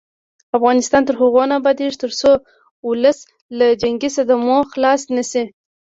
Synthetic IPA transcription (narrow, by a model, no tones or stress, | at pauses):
afɣɑnɪst̪ɑnt̪əɾhaɣonabɑd̪eʐt̪əɾso | ʊləs | lad͡ʒaŋɡisad̪amoxlɑsnəsi